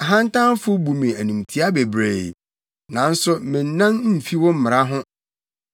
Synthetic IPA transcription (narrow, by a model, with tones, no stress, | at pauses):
a˨ɦã˦n˦tʰã˦n˦fʊ˦bu˨mĩ˨æ˨nũ˨mtʰi˦a˦be˨bɾḛ˨ | nã˨n̩˦sʊ˦mɪ̃˨n̩˨˦nã˦n̩˦˨fi˦wɔ̃˦m̩˦mɪ˨ɾa˦ɦʊ̃˦